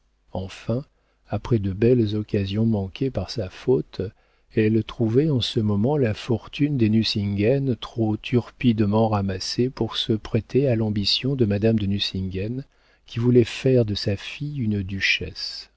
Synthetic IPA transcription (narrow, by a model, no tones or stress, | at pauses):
ɑ̃fɛ̃ | apχɛd̪əbɛlzɔkazjɔ̃mɑ̃kʰʲepaʁsafot̪ | ɛlt̪χuvɛɑ̃səmɔmɑ̃lafɔʁt̪ynd̪enysĩŋɡɛnt̪χot̪ʰyʁpid̪mɑ̃ʁamasepuʁsəpχɛt̪ʰealɑ̃bisjɔ̃d̪əmad̪amd̪ənysĩŋɡɛn | kʲivulɛfɛʁd̪əsafijynd̪yʃɛ̰s